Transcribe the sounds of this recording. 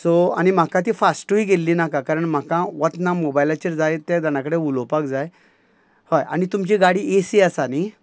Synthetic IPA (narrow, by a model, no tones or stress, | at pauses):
soa̰ñim̤akãt̪̬iːfasʈuiɡelːinakakaɾəɳm̤akãʋət̪namobajlat͡ɕiɾd͡zajt̪ad̪añakəɽeulopakd͡zaj | hoja̰ñit̪umt͡ɕiɡaɽiesiasani